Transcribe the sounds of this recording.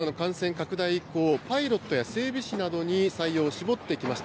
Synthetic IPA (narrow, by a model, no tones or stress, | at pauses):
ano̞kãɰ̃sẽ̞ŋkakɯ̟d̪aiːko̞ːpaiɾo̞t̪ːo̞jase̞ːbʲiɕinad̪o̞ɲ̟isaijo̞ːɕibo̞t̪ːe̞ikʲimaɕi̥t̪